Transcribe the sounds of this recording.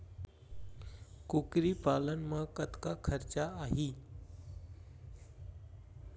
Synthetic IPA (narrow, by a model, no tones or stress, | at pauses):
kukɾiːpalənməkət̪kakʰəɾt͡ɕaaɦiː